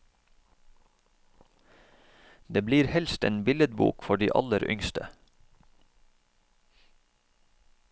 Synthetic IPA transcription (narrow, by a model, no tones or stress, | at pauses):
d̪eːbliːɾhɛlst̪ḛːnbɪləd̪̚bṵːkfɔɖḭːʔɑ̰ləɾʏ̰ŋst̪ə